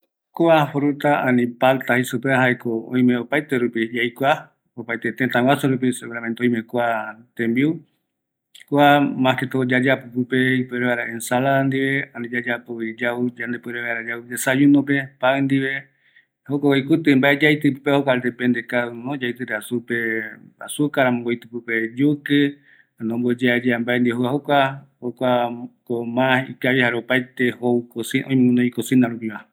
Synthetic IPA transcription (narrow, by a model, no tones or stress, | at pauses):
koafoɾut̪aãnĩpalt̪ahisupeaɦaekoõ̰j̃mẽopajt̪eɾupijajkʷa | opajt̪et̪ẽt̪ãwasuɾup̬iseβeɾament̪oj̃mẽkʷat̪ẽmbiu | koamãket̪od͡ʒad͡ʒapupɨpeipeɾeβaɾaʔensaland̪iβe̞anĩd͡ʒad͡ʒapuid͡ʒaud͡ʒand̪epuɾeβajɾad͡ʒaud͡ʒesajunõpe̞paɨnd̪iβe | hokʷawajkut̪ɨmbaʔed͡ʒajt̪ɨpɨpehokʷaɾd̪epend̪ekaunõd͡ʒajt̪ɨɾeasupea̰sukaɾamõbojt̪ɨpɨped͡ʒukɨ | anõmbod͡ʒead͡ʒeambaend̪ieɦoaɦokʷahokʷakomãḭkaβihaɾeopajt̪ehoukosiʔõĩmnõikosĩnd̪aɾũpiβa